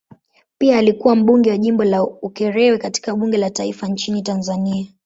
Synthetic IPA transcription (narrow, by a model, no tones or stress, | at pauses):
piaːlikuwam̩ɓuŋɡɛwaʄimbɔlaukɛɾɛwɛkati̥kaɓuŋɡɛlataifaɲt͡ʃinitanzania